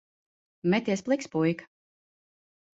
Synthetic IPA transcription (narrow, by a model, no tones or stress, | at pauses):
mʲɛt̪ʲiɛsplˠikspujk